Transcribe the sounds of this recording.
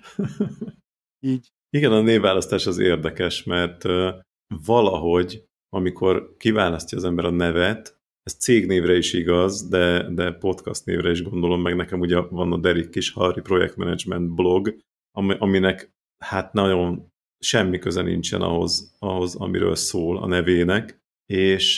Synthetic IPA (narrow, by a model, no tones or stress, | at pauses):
iːɟ | iɡɛnɒneːvvːaːlɒst̪aːʃɒzḛːrd̪ɛkɛʃmɛrt̪øː | vɒlɒɦo̞ɟ | ɒmikʰo̞rkivaːlɒst̪ɒːzɛmbɛɾɒnɛvɛt̪ | ɛst̪seːɡneːvrɛiʃiɡɒzd̪ɛd̪ɛpo̞t̪kɒst̪nḛːvɾɛiʒɡond̪o̞lo̞mːɛɡnɛkɛmuːɟɛvɒnɒd̪ɛɾikːiʃhɒripro̞jɛ̰k̚t̪mɛnɛd͡ʒmɛnt̪̚blo̞ɡ | ɒʔɒminɛk | hat̪nɒɟo̞n | ʃɛmːikøzɛnḭnt͡ʃɛ̰nɒ̰ɦo̞̰zɒɦo̞zɒ̰mḭɾø̰ːlsoːlɒ̰nɛveːnɛk | eːʃ